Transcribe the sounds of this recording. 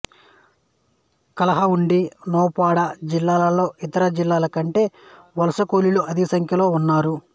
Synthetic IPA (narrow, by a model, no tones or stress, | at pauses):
kɐlɐɦɐuɳɖinɔːpaːɽɐd͡ʒilːaːlɐlo̞ːʔit̪ɐɾɐd͡ʒilːaːlɐkɐɳʈe̞ː | ʋɐlɐsɐkoːliluʔɐd̪isɐŋkʰjɐlo̞ːunːaːɾu